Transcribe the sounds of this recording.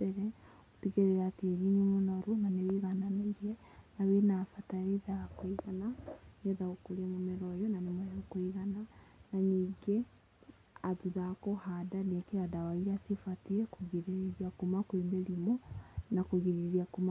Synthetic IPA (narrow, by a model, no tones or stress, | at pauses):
eɾɛ | otiɣeɾeɾatieɾinumonɔɾunanewiɣananeɾiɛ | nawenafataɾiðakwiɣananeðaokuɾemomeɾɔjɔnanemoɛokwiɣananaɲiːɡe | aðuðakɔhadaniɛkeadawaiasifatiɛkuɣiɾeɾiakumakwemeɾimɔnakuɣiɾeɾiakuma